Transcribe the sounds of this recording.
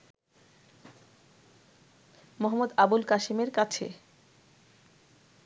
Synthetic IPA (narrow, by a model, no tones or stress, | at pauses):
moɦamːod̪abulkaʃimeɾkat͡ɕʰḛ